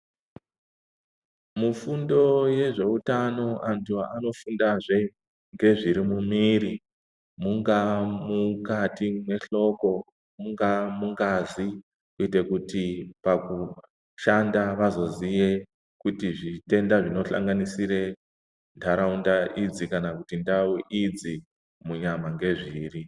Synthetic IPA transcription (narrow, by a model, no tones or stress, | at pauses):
mufundo̞je̞ʐe̞utano̞ʔantuaano̞fundaʐe̞ | ŋɡe̞ʐiɾimumiːɾi | muŋɡamukatimwe̞ɬo̞ko̞ | muŋɡamuŋɡazi | uite̞kutipaku | ʃandaʋazo̞ziʋe | kutiʐite̞ndaʐino̞ɬa̰ŋɡanisiɾe | ndaɾaundaʔid͡zikanakutindauʔid͡zi | muɲamaŋɡe̞ʐiːri